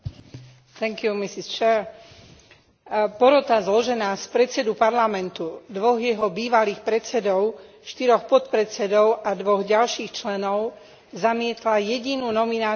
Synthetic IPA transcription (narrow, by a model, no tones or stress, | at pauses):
t̪ɛŋkjumisist͡ʃɛɾ | pɔɾɔt̪azlɔʒɛnaːspɾɛtt͡sɛd̪upaɾlamɛnt̪ud̪ʋɔɣjɛɦɔbiːʋaliːxpɾɛt͡sɛd̪ɔʊ | ʃt̪iɾɔxpɔt̪pɾɛt͡sɛd̪ɔʊʔad̪ʋɔɣɟalʃiːxt͡ʃlɛnɔʊ | zamɪɛt̪lajɛɟinuːnɔminaː